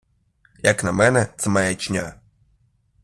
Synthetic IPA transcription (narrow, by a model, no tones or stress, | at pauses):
jɐknɐmɛnɛt̪sɛmɐjat͡ʃnʲa